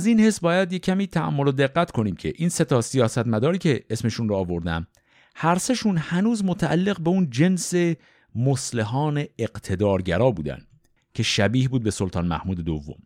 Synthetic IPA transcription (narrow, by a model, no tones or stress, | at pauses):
æziːnhe̞sbɒːjæd̪jecʰːæmiːt̪ʰæʔæ̰mːo̞lod̪e̞ɢːæt̪kʰo̞niːmcʰe̞̰ʔiːnse̞t̪ʰɒːsijɒːsæt̪mæd̪ɒːɾiːcʰe̞esme̞ʃunrɔːvo̞ɾd̪æ̰m | hæɾseʃuːnhænuːzmot̪ʰææ̰lːe̞ɣbeund͡ʒe̞nse̞ | mosleɦɒːne̞ːqt̪ʰe̞d̪ɒːɾɟæɾɒːbuːd̪æ̰nd̪ | cʰe̞ʃæbiːhbuːd̪̚be̞so̞lt̪ʰɑːnmæ̰hmuːd̪e̞d̪ovːo̞̰m